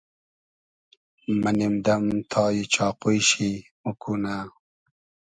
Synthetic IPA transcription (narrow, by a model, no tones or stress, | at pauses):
mɐnimd̪ɐmt̪ʰɑːjit͡ɕɑːqujɕimukuna